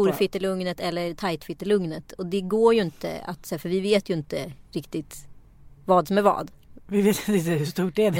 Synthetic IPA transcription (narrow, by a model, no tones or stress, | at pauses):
uːɾfɪt̪ːəlɵŋnət̪ɛlːəɾt̪ʰajt̪fɪt̪ːəlɵŋnət̪ʰɔd̪ɛɡoːɾjɵɪnt̪ə̰a̰t̪sɛːfœɾvɪveːt̪jɵɪnt̪əɾɪkt̪ɪt̪ | vɑːd̪sɔmæɾvɑ̰ːd̪ | vɪveːt̪ɪnt̪əɪnt̪əhʉʂt̪uːʈæd